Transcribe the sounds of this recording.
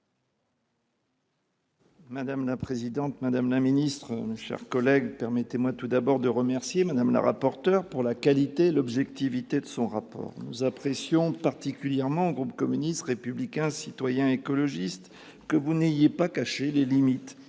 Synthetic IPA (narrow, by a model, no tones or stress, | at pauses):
mad̪amlapχezid̪ɑ̃t̪mad̪amlaminist̪χəmeʃɛ̰ʁkɔlɛɡpɛʁmɛt̪emwat̪ud̪abɔʁd̪əʁəmɛʁsjemad̪amla̰ʁa̰pɔʁt̪œʁpuʁlakalit̪eːlɔbʒɛkt̪ivit̪ed̪əsɔ̃ʁapɔ̰ːʁnuzapχesjɔ̃paʁt̪ikʲyljɛʁmɑ̃oɡʁupkɔmynist̪ʁepyblikʲɛ̃sit̪wajɛ̃ekɔlɔʒist̪ | kəvunejepakaʃelelimit̪